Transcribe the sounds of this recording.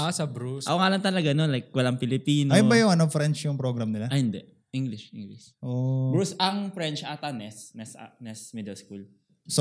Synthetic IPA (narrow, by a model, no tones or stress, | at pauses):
ʔasɐbɾusʔɐ̰koŋaːlɐnt̪ɐlɐɡanolajk̚wɐlaŋpɪlɪpiːnoajʊbɐjʊŋɐnofɾɛnt͡ʃjʊŋpɾoɡɾɐmnɪlaʔɐhɪnd̪ɛʔ | ʔiŋɡlɪʃʔɪŋɡlɪsʔobɾusɐŋfɾɛnt͡ʃat̪anɛsnɛsa̰nɛsmid̪ɛlskul | so